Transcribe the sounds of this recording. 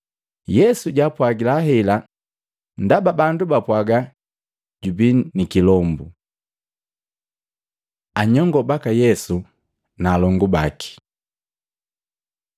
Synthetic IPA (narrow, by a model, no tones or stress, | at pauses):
jɛsuɟapwaɡilaɦɛla | ndababandubapwaɡa | ɟubinikilɔmbu | aɲɔŋɡɔbakajɛsu | naːlɔŋɡubaki̥